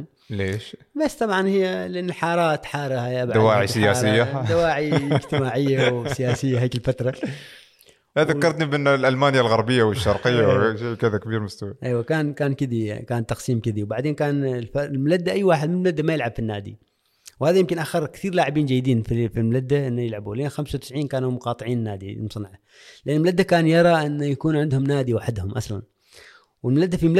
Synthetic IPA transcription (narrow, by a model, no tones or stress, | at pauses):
leːʃ | basːt̪ˤɑbʕɑnhɪjːalʔanːalħɑːɾˤɑːt̪ħɑːɾˤhaabʕd̪awaːʕisɪjaːsɪjːad̪awaːʕiɪd͡ʒt̪ɪmaːʕɪjːawwsɪjaːsɪjːaɦaːkɪlfat̪ɾˤɑ | aððakːɑɾˤt̪nibɪnːlʔalmaːnjalɣɑɾˤbɪjːawɪʃːɑɾˤqɪjːaʃaːkɪd̪akabiːɾmast̪awiʔajwakaːnkaːnkɪd̪ikaːnt̪ːɑqsiːmkɪd̪iwbaʕd̪eːnkaːnlflmʊlad̪ːaʔajːwaːħɪd̪̚mɪlmlad̪ːamajɪlʕabfinːaːd̪ḭ | whaːðajɪmkɪnʔaxɑɾˤkt̪iːɾlaːʕɪbiːnd͡ʒajːd̪iːnfifilmʊlad̪ːaʔɪnːajɪlʕabulʔeːnxamsawt̪ɪ̥sʕiːnkaːnumʊqɑːt̪ˤɨʕiːnːaːd̪ḭmʊsˤnʕa | lɪʔanːlmʊlad̪ːakaːnjɑɾˤɑʔɪnːjakuːnʕɪnd̪hʊmnaːd̪iwaħɪd̪hʊmʔasla̰n | wɪlmlad̪ːafiml